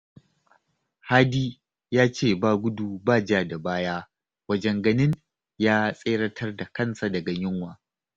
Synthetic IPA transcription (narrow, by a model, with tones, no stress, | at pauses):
haː˦diː˦ | jaː˦t͡ʃeː˦˨baː˦ɡʷʊ˦duː˨baː˦˨d͡ʒaː˨da˨baː˦jaː˦ | wɐ˦d͡ʒɛ˦ŋɡɐ˨nɪ˦n | jaː˦sʼeː˦ɽɐ˦tʰɐ˦rda˨kɐ˦˨nsa˨dɐ˨ɡa˨ɲɪ˦ŋwaː˨